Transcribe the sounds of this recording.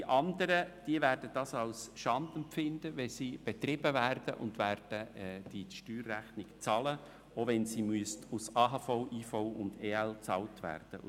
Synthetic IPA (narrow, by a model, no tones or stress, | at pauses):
iʔɑndəɾəd̥iəvæːɾd̥əd̥ɑːsɑwsʃɑnd̥̪əmpfɪnd̥əʋɛsiːb̥et̪rɪb̥əvæːrd̥əʔʊ̰ndvæːɾd̥əd̥iʃtyːrːæχnɪkt͡sɑlə | ovɛnsiːmyəstusɑːɦɑːfoʊʔiːfoʊʊndeːɛlt͡sɑltvæ̰ːrd̥ə̰